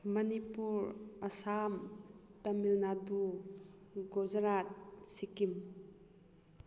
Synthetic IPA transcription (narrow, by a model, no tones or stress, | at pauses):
mɐnipuɾɐsamtɐmilnadu | ɡɔd͡ʒɾat̚sikim